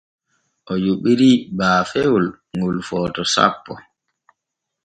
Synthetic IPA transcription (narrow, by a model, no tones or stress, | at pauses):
ʔɔjuɓiɾibaːfewul | ŋulfɔːtɔsa̰pːɔ